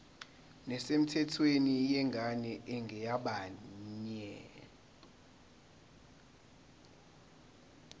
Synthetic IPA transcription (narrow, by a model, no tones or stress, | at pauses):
nɛsem̩tʰɛtʰwenijɛŋɡʱaɲɛʔɛŋɡʱɛjaɓaɲɛ